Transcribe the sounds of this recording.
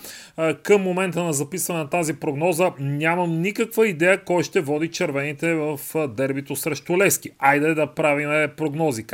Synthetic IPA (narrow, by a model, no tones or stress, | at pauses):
kəmːomɛnt̪ənɐzɐpisvɐnɛnɐt̪azipɾoɡnɔzənʲaməmnikəkvəid̪ɛjəkɔjʃt̪ɛvɔd̪it͡ʃɛɾvɛnit̪ɛvəfd̪ɛɾbit̪osɾɛʃt̪olɛskiajd̪ɛd̪ɐpɾavimɛpɾoɡnɔzik